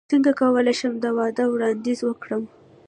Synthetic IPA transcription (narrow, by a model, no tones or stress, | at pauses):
t͡səŋɡakawəlajʃəmd̪əwɑd̪əwɽɑnd̪izwəkɽəm